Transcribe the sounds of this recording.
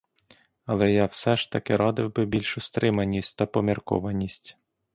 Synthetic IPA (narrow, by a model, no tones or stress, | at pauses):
ɐlˠɛjawsɛʃt̪ɐkɪɾɔd̪ɪwbɪbʲilʲʃʊst̪ɾɪmɐnʲːisʲtʲt̪ɐpɔmʲirkɔ̰ʋɐnʲisʲtʲ